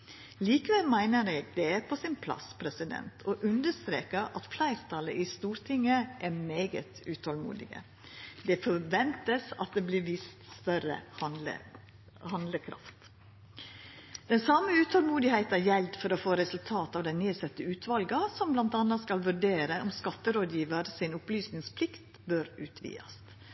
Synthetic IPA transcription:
liːkəʋɛlmæɪnəɾɛːɡd̪ɛæɾpʰɔsɪnpʰlɑ̰spʰɾɛsɪd̪ɛ̰nt̪ʰɔʔʉnd̪əʂt̪ɾḛːkəɾɑ̰t̪flæɪɾt̪ʰɑlə̰ʔɪst̪uːɾt̪ʰɪŋːəʔɛmeːɡə̰t̪ʉːt̪ʰɔlmṵːd̪ɪ̰ɡə̰ | d̪ɛfɔɾʋɛnt̪əsɑ̰t̪̚d̪ɛblɪɾʋɪst̪st̪œɾə̰ə̰ | hɑnd̪ləkʰɾɑ̰ft̪ | d̪̥ɛnsɑməʉːt̪ʰɔlmuːd̪ɪhæɪt̪næjɛld̪fɔɾoːfoːɾɛsʉlt̪ʰɑːt̪ɑːʋd̪ɛnneːsɛt̪ːəʉːt̪ʰʋɑlɡɑsɔmblɑnt̪ɑnɑskɑlʋʉɖeːɾəʔɔmskɑt̪ːəɾoːd̪jiːʋəɾsɪnʊplyːsnɪŋspʰlɪkt̪ | bøɾʉːt̪ʰʋḭːɑ̰s

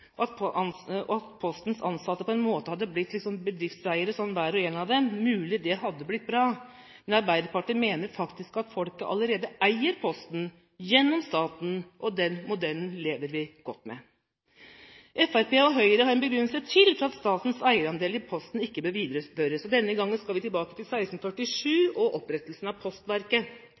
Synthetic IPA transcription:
ɔɑt̪ | ɔɑt̪pʰɔst̪n̩sɑ̰nsɑt̪ːəpʰɔɛnmoːt̪əhɑd̪ːəblɪt̪ːlɪksɔmbəd̪ɾɪft̪sæɪəɾəsɔnːʋæːɾɔeːnɑʋd̪ɛmmʉːlɪd̪ɛɦɑd̪ːəblɪt̪̚ːbɾɑː | mɛnɑɾbæɪd̪əɾpɑʈiːmeːnəɾfɑkt̪ɪskɑt̪fɔlkəʔɑ̰ləɾeːd̪əʔæɪəɾpʰɔst̪n | jɛnːɔmst̪ɑːt̪nʔɔd̪ɛnmʊd̪ɛln̩leːʋəɾʋɪɡ̥ɔt̪ːmɛ̰ | ʔɛfæɾpeːɔɦœʏəɾəhɑɾɛnbəɡɾʏnːəlsət̪ʰɪlfɾɑɑt̪st̪ɑːt̪n̩sæɪəɾɑnd̪eːlɪpʰɔst̪n̩ɪkːəbøːɾʋiːd̪ɾəspœɾəsɔd̪ɛnːəɡɑŋːənskɑlʋɪt̪ɪlbɑːkət̪ɪlsæɪst̪n̩fœʈːɪʂʉːɔʔɔpɾɛt̪əlsn̩ɑʋpʰɔst̪ʋæɾkə

